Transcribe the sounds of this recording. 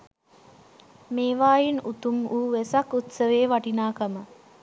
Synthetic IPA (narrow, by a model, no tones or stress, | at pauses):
meːʋaːjinut̪umuːʋesakut̪səʋeːʋaʈinaːkamə